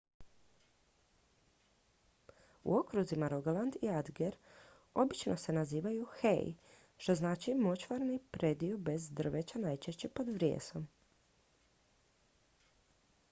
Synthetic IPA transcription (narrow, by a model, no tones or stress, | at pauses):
ṵokɾuzimaɾoɡoland̪iad̪ɡeɾ | o̞bit͡ʃno̞se̞naziːʋajuxḛj | ʃt̪o̞znaːt͡ʃimo̞t͡ʃʋaɾnipɾe̞d̪iobe̞zd̪r̩ʋet͡ɕanajt͡ʃeʃt͡ɕe̞po̞d̪ʋɾjḛːso̞m